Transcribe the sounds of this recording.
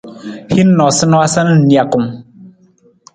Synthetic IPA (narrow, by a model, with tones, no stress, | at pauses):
hi˦n˦nɔ˨sɨ˦nɔ˦a˦sa˦n˦n̩˨nja˨ku˨m